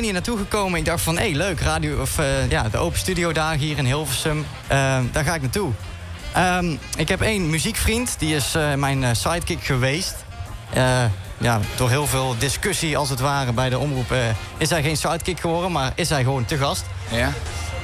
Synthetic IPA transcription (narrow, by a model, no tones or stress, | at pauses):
niːɹnaːtuɣəkowmənɪɡ̚dɑxtfɑnɦejløɥkraːdioɔfjaːdəʔo̰wpəstydijowdaːxiːɹɪnɦɪːlˠvəsəm | ʔədaːɹɣaːɪk̚natu | ʔəmɪkɦɛpejnmyzikfrintdiɪsmɛjnsɑjt̚kɪkxəʋejst | ə | ja̰ːdʊːɹɦɪːlˠvɪːlˠdɪskɵsiɑlˠsətʋaːrəbɛjdəɔmrupː | ɪsɛjɣejnsʋɑjt̚kɪkxəʋɔɹdənmaːɹɪsɦɛjɣəʋowntəɣɑst